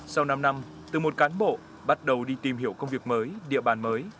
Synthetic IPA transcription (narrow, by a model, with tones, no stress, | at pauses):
sa˧wna˧mna˧m | t̪ɨ˨˩mo˨˩t̚kaː˨˦nɓo̰˧˨ | ɓa˦˥t̚ɗə˨˩wɗi˧t̪i˨˩mɦi˧˩əwkə˧wŋ͡mvi˨˩ək̚məː˨˦jɗḭ˧˨əɓaː˨˩nməː˨˦j